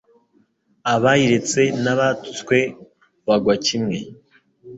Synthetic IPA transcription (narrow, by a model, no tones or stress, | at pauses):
aβajiɾe̞t͡se̞naβatu̥t͡skwe̞ | βaɡwacimŋe̞